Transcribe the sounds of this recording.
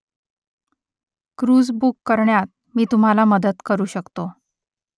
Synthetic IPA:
kɾud͡zbukːəɾɳjat̪̚ | miːt̪um̤alaməd̪ət̪kəɾuːɕəkt̪o

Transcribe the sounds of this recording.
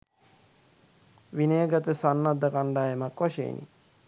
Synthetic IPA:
ʋineəɡat̪əsanːad̪ːɐkaɳɖaːjemakʋaʃḛːnʔḭ

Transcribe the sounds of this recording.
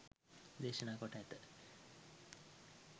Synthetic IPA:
d̪eːʃənaːkɔʈaɛt̪ə

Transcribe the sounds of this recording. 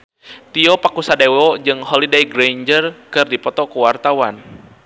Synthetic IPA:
t̪iɔpakusadewɔd͡ʒɨŋɦɔlidejɡɾeɲd͡ʒərkɨrdipɔt̪ɔkuwart̪awan

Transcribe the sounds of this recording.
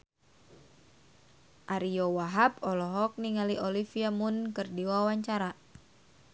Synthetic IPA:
ʔaɾijowaɦabɔlɔɦɔk̚niŋaliʔolifiamunkɨrdiwawaɲt͡ʃaɾa

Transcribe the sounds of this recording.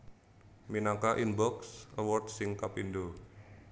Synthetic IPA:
minaŋkaʔinbɔksʔəwɔrt̚sɪŋkapindo

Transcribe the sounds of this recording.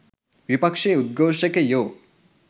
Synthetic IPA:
ʋipɐkʂeud̪̚ɡoːʃɐkejoː

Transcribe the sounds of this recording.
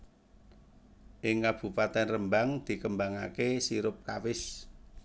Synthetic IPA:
ʔɪŋːab̥ṳpat̪ɛnrəmbaŋd̪̥i̤kəmbaŋakesiɾʊp̚kawɪs

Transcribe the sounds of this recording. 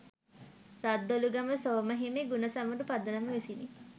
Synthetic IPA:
ɾad̪ːoluɡaməsoːməɦemeɡunəsaməɖupad̪ənəməʋisini

